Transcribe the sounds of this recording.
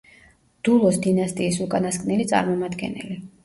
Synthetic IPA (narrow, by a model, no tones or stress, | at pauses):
d̪̥ulˠɔsd̪inast̪ʼiːsukʼanaskʼnɛlit̪sʼa̰ɾmɔmad̪ɡɛ̰nɛ̰li